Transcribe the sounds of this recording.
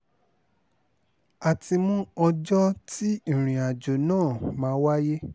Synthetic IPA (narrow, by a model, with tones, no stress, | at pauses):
a˨ti˧mũ˦ɔ˧d͡ʒɔ˦tĩ˦˨ɾ̃ĩ˨a˨d͡ʒo˨nãː˦˨mãː˨˦wa˦je˦